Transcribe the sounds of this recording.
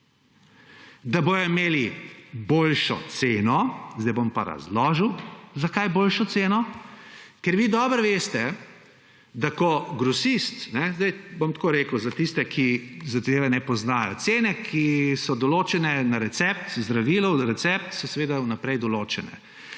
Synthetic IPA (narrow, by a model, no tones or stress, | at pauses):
d̪aboːjɔimeːliboːlʃɔ̰t̪senɔzd̪ajbompa̰ɾa̰zlɔːʒəwzakajboːlʃɔt̪seːnɔ | kɛɾʋiːd̪ɔːbɾʋeːst̪ɛ | d̪akɔɡɾɔsist̪nɛzd̪ajbomt̪koːɾeːkəwzat̪ist̪ɛkʰizad̪eːʋɛnɛpɔznaːjɔ̰t̪seːnɛkʰisɔd̪ɔloːt͡ʃɛnɛnaɾɛt̪sɛp̚t̪zd̪ɾaʋiːlɔɾɛt̪sɛp̚t̪sɔsɛʋeːd̪aunapɾɛjd̪ɔloːt͡ʃɛnɛ̰